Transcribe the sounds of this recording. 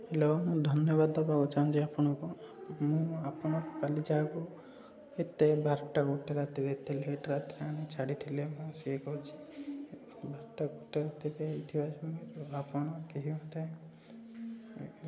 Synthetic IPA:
elɔmũd̪ʱɔnjɔbad̪ɔpaɡut͡ʃʰañd͡ʒeapɔɽ̃ɔ̃kumũapɔɽ̃ɔkpalid͡ʒaːku | et̪ebaɾʈaɡuʈeɾat̪iɾeet̪eleʈɾat̪iɾeaɽ̃it͡ʃʰaɽit̪ʰilemũsiekɔɦut͡ʃʰi̥ | bʱaɾʈaɡuʈeɾat̪iɾeejt̪ʰibat͡ʃʰɔmeɾapɔɽ̃ɔkeɦimat̪e

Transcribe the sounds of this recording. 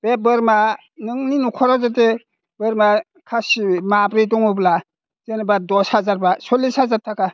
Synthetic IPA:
b̥ebɯɾma | nɯŋninukʰɔɾazat̬e | bɯɾma | kʰasimabɾidɔŋɯbla | z̥enbadɔshazaɾbasɔlːishazaɾtʰaka

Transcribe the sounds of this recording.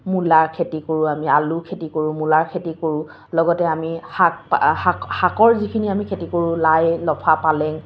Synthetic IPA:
mulaɹkʰetikoɹʊ̃amialukʰetikoɹʊ̃mulaɹkʰetikoɹʊ̃ | lɔɡɔtɛamihak̚hahakɔɹzikʰiniamikʰetikoɹʊ̃lajlɔpʰapalɛŋ

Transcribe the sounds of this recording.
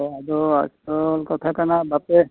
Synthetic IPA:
ad̪ɔa̰sɔlkɔt̪ʰakanabape

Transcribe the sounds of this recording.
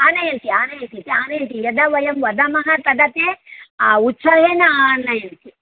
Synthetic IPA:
aːnɐjɐnt̪iaːnɐjɐnt̪it̪iaːnɐjɐnt̪ijɐd̪ɐʋɐjɐmʋɐd̪ɐmɐɦɐt̪ɐd̪ɐt̪eautːt͡ʃʰɐʋʱenɐaːnːɐjɐnt̪i

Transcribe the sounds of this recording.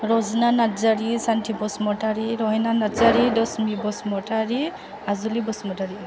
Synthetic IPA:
ɾɔznanazaɾisantʰibɔsmɔʈaɾiɾɔɦɛnanazaɾidɔsmibɔsmɔtaɹi | azɔlibɔsmɔtaɾi

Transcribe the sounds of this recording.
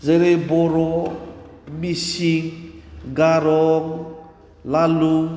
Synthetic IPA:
zeɾeboɾɔ | misiŋɡaɾɔŋ | laluŋ

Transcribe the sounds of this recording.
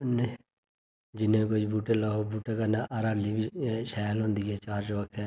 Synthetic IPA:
ne | d͡ʒɪnẽkʊd͡ʒbuːʈeːlaːobuːʈekanaʔaɾaːlibiʃɛːəlɦõːnd̪iːɛːt͡ʃaːɾt͡ʃʋəkʰɛː

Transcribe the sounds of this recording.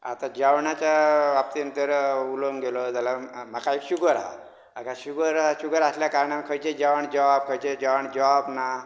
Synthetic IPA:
a̰t̪ad͡ʑawɳjat͡ɕaʋap̚t̪inənt̪əɾuloŋɡelɔd͡zalamakaekɕuɡəɾa̰ | akaɕuɡəɾɕuɡəɾasljakaɾɳamekʰəjt͡ɕed͡ʑaʋəɳd͡ʑaʋab̚kʰəjt͡ɕed͡ʑaʋəɳd͡ʑaabna

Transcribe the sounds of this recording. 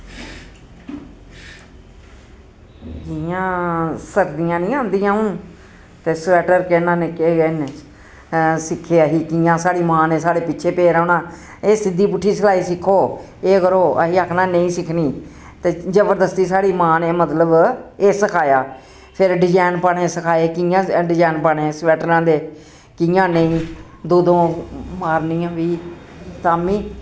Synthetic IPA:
kijãːsəkʰd̪ɪjãːnĩːãːnd̪ĩjãːɦʊn | t̪eːsɛːʈəɾkeːnãːnɪkeːɡene | sɪkʰːeːəɦiːkiːjãːsaːɽiːmãːneːsaːɽeːpɪtːʃʰeːpeːɾəːɳaː | eːsɪd̪ːiːpʊʈʰːiːsəlaːiːsɪkʰːoː | eːkəɾoːə̰ɦiːəkʰnãːnəĩːsɪkʰniː | t̪eːzəbəɾd̪əst̪iːsaːɽiːmãːneːmət̪ləbeːsəkʰaːjaː | pʰɪɾɖɪd͡ʒaːɪnpaɳeːsəkʰaːeːkijãːɖɪd͡ʒaːnpaːɳẽːsʋɛːʈɾãːd̪eː | kɪ̃jãːneĩː | d̪oːd̪õːmaːɾniːãːʋiːt̪aːmĩː

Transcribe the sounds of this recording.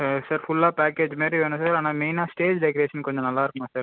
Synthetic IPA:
saːɾfʊlːaːpaːkːeːd͡ʒmaːtɾiʋeːnũsaːɾaːnaːmeɪnaːsʈeːd͡ʒɖɛkɔɾeːʂɐnkɔɲd͡ʒɔ̃nɐlːaːɪɾkːɐmaːsaːɾ

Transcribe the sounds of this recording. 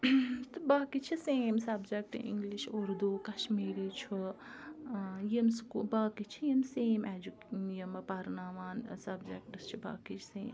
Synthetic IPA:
t̪ɨbaːkit͡ʃʰiseːmsɐbd͡ʒek̚ʈɨ̰ʔḭŋɡliʃoɾd̪uːkɐʃmiːɾit͡ʃʰu | jimskubaːkit͡ʃʰijimseːmʔɛːd͡ʒukjimpɐɾnaːʋaːnsɐbd͡ʒek̚ʈɐst͡ʃʰiba̰ːkit͡ʃʰsẽːm

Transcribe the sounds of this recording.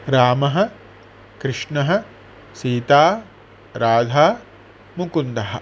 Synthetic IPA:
ɾaːmɐɦɐ̆ | kɾɪʂɳɐɦɐ̆ | siːt̪aː | ɾaːd̪ʱaː | mukund̪ɐɦɐ̆

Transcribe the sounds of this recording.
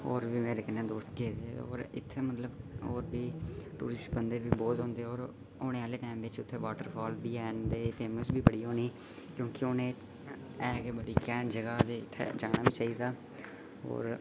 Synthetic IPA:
ɦoːɾʋiːmeːɾeːkɪnːeːd̪oːst̪keːd̪eo̰ːɾɪ̰t̪ʰːeːmət̪ləboːɾbiːʈuːɾɪsʈ̚bənd̪eːbiːbɔːt̪ɦõːnd̪eːɔːɾ | oːɽ̃ẽːaːleːʈaːɪmʋɪt͡ʃʊt̪ʰːeːʋaːʈəɾpʰɔːlbiːɛːnd̪eːpʰeːməsbʱiːbəɽiːɦoːniː | kjõːkɪonẽː | ɛːɡeːbəɽiːkɛːnd͡ʒəɡaːd̪eːɪt̪ʰːḛːd͡ʒaːɽ̃aːʋiːt͡ʃaːiːd̪aː | ɦo̰ːɾ

